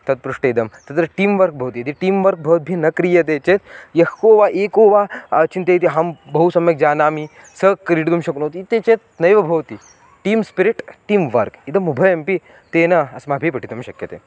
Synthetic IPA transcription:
t̪ɐt̪̚pɾuʂʈɐid̪ɐmt̪ɐt̪ɾɐʈiːmʋɐɾk̚bʱɐʋt̪iɐd̪iʈiːmʋɐɾk̚bʱɐʋt̪̚bʱinɐkɾijɐt̪̬et͡ʃet̪jɐhoːʋaʔekoːʋat͡ʃint̪eit̪̬iɦɐmbɐusɐmjɐk̚d͡ʒaːnaːmi | sɐkɾiɽt̪umɕɐknɐt̪it̪et͡ʃet̪̚nɐjʋɐbʱɐʋt̪i | ʈiːmspiɾiʈʈiːmʋɐɾkid̪ɐmubʱɐjɐmpi | t̪enɐɐsmabʱipɐʈʰit̪umɕɐkjɐt̪ḛː

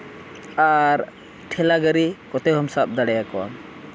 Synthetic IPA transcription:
aɾ | ʈʰɛlaɡəɾikɔt̪ɛɦɔmsap̚d̪aɽɛjakɔwa̰m

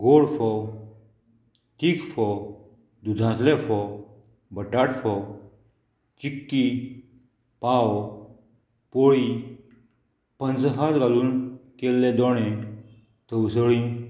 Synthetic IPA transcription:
ɡoɽfɔ | t̪iːkfɔ | d̪ud̪ʱãt̪lefɔ | bəʈaʈfʰɔ | t͡ɕikːi | paw | poɭi | pə̃nd͡zɦat̪ɡaluːnkelːed̪ɔɽ̃ɛ̃ | t̪əusəɭĩ

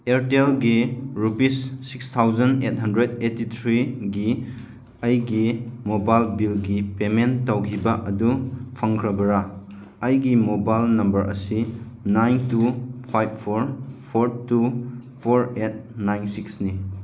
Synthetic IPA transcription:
eɾtelɡiɾupisːikst̪ʰawzɐnet̚hɐndɾed̚etit̪ʰɾiɡi | ɐjɡimobajlbilɡipementːawkʰibaʔɐdupʰɐŋkʰɾɐbɐɾa | ɐjɡimobajlnɐmbɐɾʔɐ̰si | najntupʰajb̚pʰoɾpʰoɾtupʰoɾet̚najnsiksni

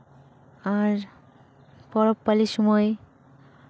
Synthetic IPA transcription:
aɾ | pɔɾopːaliʃɔmɔe

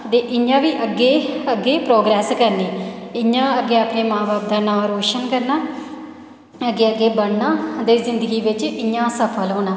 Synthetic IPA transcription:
t̪eːʔɪɲãːʋiːʔəɡːeːəɡːeːpɾoːɡɾɛːskəɾneːɪɲãːəɡeːaːpneːmãːbaːb̚d̪aːnãːɾoːʃənkəɾnaː | əɡːeːəɡeːbəɽnaːd̪eːzɪnd̪əɡiːʋɪt͡ʃɪɲãːsəpʰəlɦoːnãː

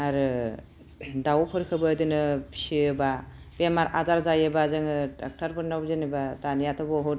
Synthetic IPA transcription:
aɾɯ | dawpʰɔɾkʰɯbɯd̪ɯnɯpʰsiɯba | bemaɾʔazaɾzajɯbazɯŋɯa̰k̚tʰaɾpɯɾnawbzɯnebatanijat̪ʰɔbɔɦut̚

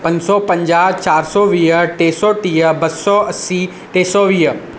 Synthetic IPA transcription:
pɐ̃ɲd͡ʑsɔpɐ̃ɲd͡ʒaːt͡ʃaːɾsɔʋiːɦəʈeːsɔʈiːəbɐsɔɐsi | ʈeːsɔʋiːɦə

